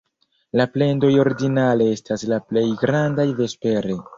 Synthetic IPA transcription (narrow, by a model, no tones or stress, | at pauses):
laple̞ndo̞jo̞ɾɡinale̞estaslaple̞jɡɾandajve̞spe̞ɾe̞